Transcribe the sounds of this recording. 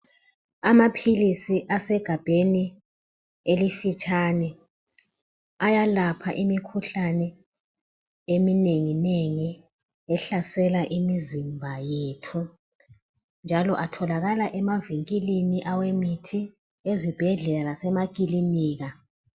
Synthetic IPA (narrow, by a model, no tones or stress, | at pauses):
amapʰilisiʔasɛɡ̥ʱab̥ʱeni | elifit͡ʃʼanɛ | ajalapʰaʔimikʰuɬanɛ | emineŋineŋi | ɛɬasɛlaʔimizimbʱajetʰu | nd͡ʒʱalɔʔatʰɔlaɣalaʔɛmaviŋkʼiliniʔawemitʰi | ezib̥ʱɛɮɛlalasɛmakʼiliniːɣa